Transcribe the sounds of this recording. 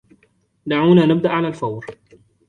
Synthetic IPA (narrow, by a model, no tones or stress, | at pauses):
d̪aʕuːnaːnɪb̚d̪aʔʕalalfawɾ